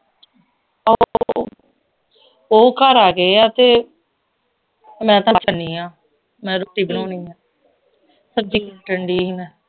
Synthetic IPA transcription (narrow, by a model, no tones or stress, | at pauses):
o | oːkəɾaːɡeːat̪eː | mɛ̃ːt̪ãːt͡ʃəɳiːãː | mɛ̃ːɾoːʈːiːbɪnoːniːãː | səb̚d͡ʒiːkʈəɳɖiːɦinɛ̃ː